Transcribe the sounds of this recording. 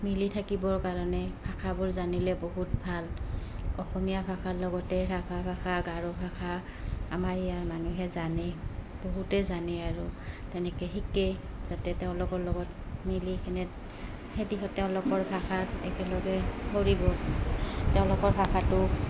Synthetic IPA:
militʰakibɔɹkaɹɔnɛbʰʱakʰabʊɹzanilɛboɦutbʱal | ɔxɔmijabʰʱaxalɔɡɔtɛɹapʰabʰʱaxʰaɡaɹɔbʰʱakʰa | a̰maɹijaɹmanuɦɛzanɛ | b̥oɦutɛzanɛaɹutɛnɛkɛɦikɛ | z̥atɛtɛʊ̃lɔkɔɹlɔɡɔt̚ | milikʰɛnɛt | hedixɔtːɛʊ̃lɔkɔɹbʱaxʰatɛkɛlɔɡɛpʰoɹibɔ | tɛʊ̃lɔkɔɹbʱaxʰatʊ

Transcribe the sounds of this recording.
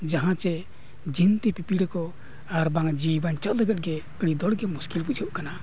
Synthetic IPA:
d͡ʒaɦãt͡ʃɛ | d͡ʒint̪ipipiɽkɔ | aɾbãŋd͡ʒibənt͡ʃəʔləɡət̪̚ɡɛkɽid̪ɔɽɡɛmuskilbud͡ʒʱəʔkana

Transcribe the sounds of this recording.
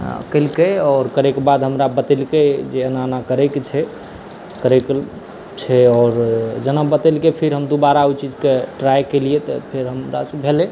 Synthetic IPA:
kəlkeɔːɾkəɾɛkebad̪ɦəmɾabət̪ɛlked͡ʒeənanakəɾɛkt͡ʃʰɛ | kəɾɛk | t͡ʃʰɛɔɾd͡ʒənabət̪ɛlkepʰeɾɦəmd̪ubaɾauwt͡ʃid͡ʒkeʈɾajkelijet̪ɔpʰeɾɦəmɾa̰sə̃bʱele

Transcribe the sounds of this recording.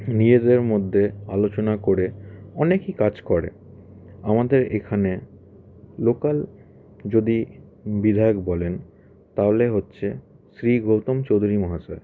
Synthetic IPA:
nid͡ʑed̪eɾmod̪ʱːealot͡ɕonakoɾeɔnekikad͡ʑkɔɾḛ | amad̪eɾekʰane | lokal | d͡ʑod̪ibid̪ʱaeokbɔlen | t̪aɦoleɦotːɕʰe | sɾiɡowt̪omt͡ɕod̪ʱuɾimɔɦasa̰ɾ

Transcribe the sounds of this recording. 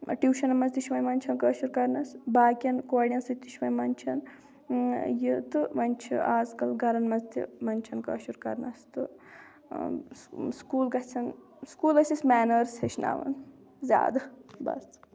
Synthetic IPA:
ʈjuːʃɐnɐmɐzt̪ʲiʃʋɐjmɐnʲt͡ʃʰɐnkəːʃuɾkɐɾnɐsbaːkʲɐnkoːɽʲijɐnsɨt̪ʲiʃʋɐjmɐnʲt͡ʃʰɐn | jit̪ɨʋɐnʲt͡ʃʰḭaːzkɐlɡʱɐɾɐnmɐzt̪ʲḭmɐnʲt͡ʃʰɐnkə̰ːʃuɾkɐ̰ɾnɐst̪ɨ | skuːlɡɐt͡ʃʰɐn | skuːlɐsʲismɛːnɐɾseʃna̰ːʋɐ̰n | zʲa̰ːd̪ɐbɐ̰st̪

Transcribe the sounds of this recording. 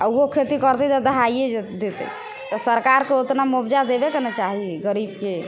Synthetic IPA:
auɦokʰet̪ikəɾt̪ɛt̪ad̪əɦajed͡ʒed̪et̪ə̰ | t̪ɔsəɾkaɾkeot̪namubd͡ʒad̪ebekenɛt͡ʃaɦiɡəɾibke

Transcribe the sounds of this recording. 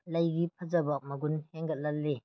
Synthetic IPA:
lɐjɡipʰɐzɐbɐk̚mɐɡunheŋɡɐt̚lɐlle

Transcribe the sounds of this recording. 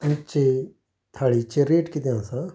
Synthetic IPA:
nt͡ʃe | t̪ʰaːɭit͡ʃeɾeːʈkit̪eãsã

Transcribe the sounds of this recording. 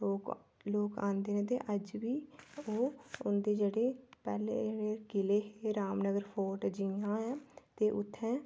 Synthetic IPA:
loːkãːnd̪eːnẽːt̪ḛːʔəd͡ʒʋiːoːʊnd̪eːd͡ʒeːɽeːpɛːlḛːd͡ʒeːɽeːkɪleːɦeːɾaːmnəɡəɾpʰoːʈd͡ʒiãːɛːt̪eːʔʊt̪ʰːɛ̃ː

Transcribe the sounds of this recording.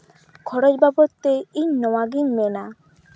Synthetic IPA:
kʰɔɾod͡ʒbabot̪ːeiɲnɔwaɡiɲmena

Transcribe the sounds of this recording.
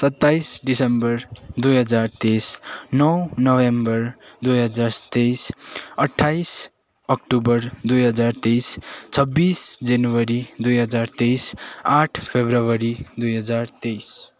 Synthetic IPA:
sʌt̪ːajsɖisembʌɾd̪ujɦʌd͡zaɾt̪esnɔwnɔwembʌɾd̪ujɦʌd͡zaɾsʌ̥t̪ejsəʈʰːajs | ʌk̚ʈubʌɾd̪ujɦʌd͡zaɾt̪ejst͡sʰʌbːisd͡ʒʌnuwʌɾid̪ujɦʌd͡zaɾt̪ejsaʈʰpʰebɾəwʌɾid̪ujɦʌd͡zaɾt̪ejs

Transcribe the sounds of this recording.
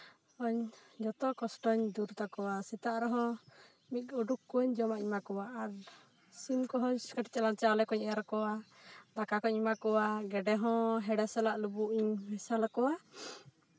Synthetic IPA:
ɔɲd͡ʒɔt̪ɔkɔsʈɔɲd̪uɾt̪akɔwasɛt̪aʔɾɔɦɔ̃ | mit̪̚ɔɖukːɔɔɲd͡ʒɔmaʔɲmakɔwaːɾ | simkɔɦɔɲskəʈit͡ʃɛlaɲt͡ʃalɛkɔɲɛaɾɔkɔwad̪akakɔɲmakɔwaɡɛɖɛɦɔ̃ɦɛɖɛsɛlaʔlubuʔiɲmɛsalakɔwa

